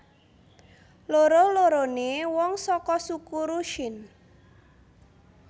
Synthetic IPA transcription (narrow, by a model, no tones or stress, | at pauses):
loɾoloɾonewɔŋsɔkɔsukuɾuʃɪn